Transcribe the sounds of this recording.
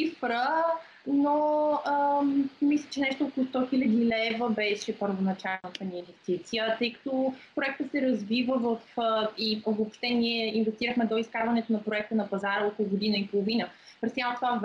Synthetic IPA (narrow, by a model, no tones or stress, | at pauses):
ifɾə | noəmislʲət͡ʃɛnɛʃt̪ookolˠʊst̪ɔxilʲəd̪ilɛvəbɛʃɛpəɾvonɐt͡ʃalnət̪əniinvɛst̪it̪sijət̪ɤjkɐ̥t̪opɾoɛk̚t̪ət̪sɛɾɐzvivəvəfivopʃt̪ɛniɛinvɛst̪iɾəxmɛd̪oiskaɾvɐnɛt̪onɐpɾoɛk̚t̪ənɐpɐzaɾəɔkolˠʊɡod̪inəipolˠovinəpɾɛst̪jamt̪tvav